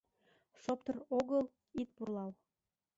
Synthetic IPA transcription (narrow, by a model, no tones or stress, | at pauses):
ʃop̚t̪əroɣəl | it̪̚purlɑl